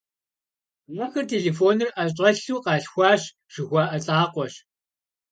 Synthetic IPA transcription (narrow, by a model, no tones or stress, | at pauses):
mɐxɐrtʰeːɮeːfoːnɨrʔɐɕʼɐɬuːqɑːɬxʷɑːɕ | ʒ̥ɨxʷaːʔɐɬʼaːqʷɔɕ